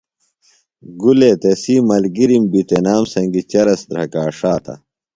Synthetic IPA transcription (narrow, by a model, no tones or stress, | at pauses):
ɡuleːt̪esiːmɐlɡiɾimbit̪enaːmsɐŋɡit͡ɕɐɾɐsd̪ɾɐkaːʂaːt̪ʰɐ̰